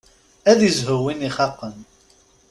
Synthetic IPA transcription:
æðizɦʊwiniχɑqːən

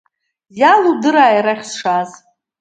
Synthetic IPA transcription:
jaludɨɾaːjɾaχʲsʂaz

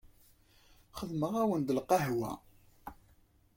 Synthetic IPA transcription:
χəðməʁæwənd̪əlqɑɦwæ̰

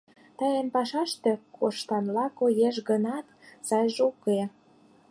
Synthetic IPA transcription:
t̪ɑjenpɑʃɑʃt̪ĕkʰoʃt̪ɑnlɑkojeʃɡənɑt̪sɑjʒuke

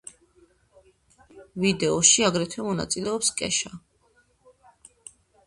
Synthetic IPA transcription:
vid̪ɛɔʃiaɡɾɛt̪ʰwɛmɔna̰t̪sʼilɛɔpskʼɛ̰ʃa

